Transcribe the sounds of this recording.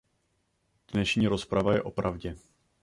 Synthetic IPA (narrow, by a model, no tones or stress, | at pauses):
d̥nɛʃɲiːɾo̞spɾavajɛʔo̞pɾavɟɛ